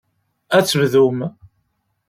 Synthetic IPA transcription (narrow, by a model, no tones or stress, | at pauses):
æt͡sːəvðum